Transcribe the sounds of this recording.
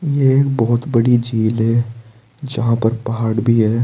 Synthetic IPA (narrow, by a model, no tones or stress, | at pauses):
jeeːkbɔɦʊt̪bɐɽid͡ʒiːlɦɛ | d͡ʒɐɦãpɐɾpɐɦaːɽbʱiɦɛː